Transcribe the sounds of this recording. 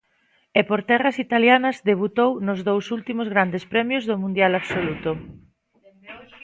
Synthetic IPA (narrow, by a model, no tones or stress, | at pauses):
epoɾt̪ɛrɐsit̪aljanɐzðeβ̞ut̪ownʊzðowsult̪imʊzɣɾand̪espɾɛmjʊzðʊmũnd̪jalaβsolut̪o